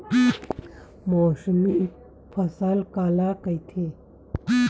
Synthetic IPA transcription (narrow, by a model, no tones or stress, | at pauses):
moːsmi | pʰɐsaːlkaːlakəit̪ʰe